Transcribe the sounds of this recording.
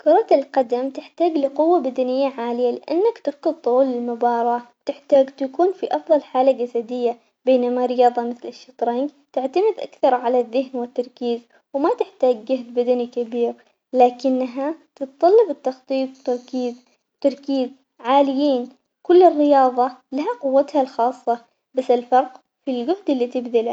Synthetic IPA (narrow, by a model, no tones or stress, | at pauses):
kʊɾˤɑt̪ɪlqɑd̪amt̪ɪħt̪aːɡlɪqʊwːabad̪anɪjːaʕaːlɪjalɪʔa̰nːakt̪ɪɾkʊd̪̚ˤt̪ˤːulɪlmʊbɑːɾˤɑːt̪ɪħt̪aːɡt̪akuːnfiʔɑfðˤɑlħaːlad͡ʒasad̪ɪjːa | beːnamaɾɪjɑːðˤɑmɪθlɪʃːɑt̪ˤɾɑŋɡ | t̪ɪʕt̪amɪd̪ʔa̰kθɑɾˤʕalaðːɪhnwɪt̪ːɑɾˤkiːz | wmat̪ɪħt̪aːɡɡahd̪bad̪anikabiːɾ | laːkɪnːaɦat̪ɨt̪t̪ˤːɑlːɑbɪt̪ːɑxt̪ˤiːt̪̚ˤt̪ɑɾˤkiːz | t̪ɑɾˤkiːz | ʕaːlɪjiːn | kʊlːɪrːɪjɑːðˤɑlaɦaqʊwːat̪halxɑːsˤːɑ | basːɪlfɑɾˤq | filɡʊhd̪ɪlːit̪ɪbðal